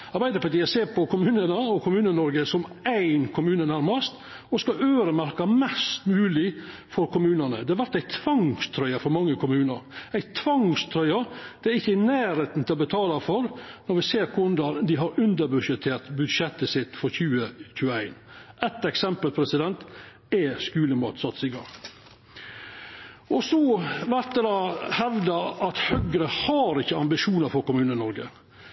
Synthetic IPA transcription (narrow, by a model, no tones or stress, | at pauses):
ɑɾbæɪd̪əpɑʈ̪iːæseːɾpʰɔkʰʊmʉːnənəɔkʰʊmʉːnənɔɾɡəsɔmæɪnkʰʊmʉːnənæɾmɑst̪ | ɔskɑøːɾəmæɾkɑmɛst̪mʉːlɪ | fɔɾkʰʊmʉːnənə̰d̪ɛɑɾʋæɾt̪æɪt̪ʰʋɑŋst̪ʰɾœʏɑfɔɾmɑŋːəkʰʊmʉːnəɾæɪt̪ʰʋɑŋst̪ʰɾœʏɑd̪̥ɛæɾɪçːənæːɾheːt̪n̩t̪ʰɪlɔbət̪ʰɑːlɑfɔɾnɔɾʋɪseːɾkʰʊnd̪ɑnd̪ɪɦɑɾʉnd̪əɾbʉd̪ʂɛt̪ʰːeːɾt̪bʉd̪ʂɛt̪ːəsɪt̪ːfɔɾçʉːəçʉːəæɪn | ʔɛt̪ːɛksɛmpəlpʰɾɛsɪd̪ɛnt̪ | ɛskʉːləmɑːt̪sɑt̪ːsɪɡɑ̰ŋ | ʔɔsɔʋæɾt̪̚d̪əd̪ɑhɛʋd̪əɾɑt̪hœɡɾəhɑɾɪçːəɑmbɪʂuːnəɾfɔɾkʊmʉːnənɔɾɡə̰